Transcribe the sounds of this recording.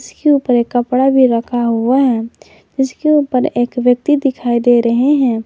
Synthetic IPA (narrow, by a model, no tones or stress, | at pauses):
ɪskeuːpəɾekːəpɽabʱiɾəkʰaɦuaɦɛ̃ | d͡ʒɪskeuːpəɾeːkʋjək̚t̪id̪ɪkʰaːid̪eɾəɦeɦɛ̃